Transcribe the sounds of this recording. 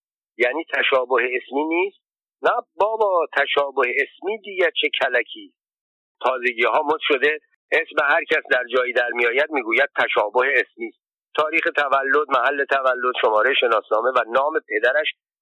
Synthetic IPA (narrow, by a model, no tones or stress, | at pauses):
jæːniːt̪ʰæʃɒːboheesmiːniːst̪̚ | næbɒːbɒːt̪ʰæʃɒːboheːsmiːd̪iːɟæt͡ʃʰecʰælæcʰiːs | t̪ʰɒːze̞ɟiːɦɒːmot̪ʃo̞d̪e | ʔesmehæɾcʰæsd̪æɾd͡ʒɒːjiːd̪æɾmijɒːjæd̪̚miːɡuːjæd̪̥̚t̪ʰːæʃɒːboheːsmiːst̪̚ | t̪ʰɒːɾiːxe̞t̪ʰævælːo̞d̪mæhælːe̞t̪ʰævælːod̪̥ʃo̞mɒːɾejʃe̞nɒːsnɒːme̞vænɒːme̞pʰe̞d̪æɾæʃ